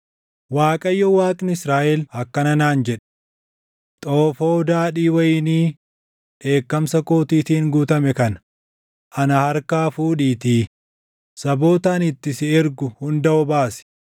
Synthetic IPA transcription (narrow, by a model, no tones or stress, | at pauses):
waːkʼɐjːɔwaːt̪ʼɪnɪsɾaːʔɛlhɐkːɐnɐnaːnd͡ʒɛᶑɛ̥ | t̪ʼoːfo̞ːd̪aːᶑiːwɐjɪniː | ᶑe̞ːkːɐmsɐko̞ːt̪iːt̪iːŋɡuːt̪ɐmɛkɐn | ʔɐnɐhɐɾkaːfuːᶑiːt̪iː | sɐbo̞ːt̪aːnɪt̪ːɪsɪɛɾɡʊhʊnd̪ɐʔɔbaːsɪ̥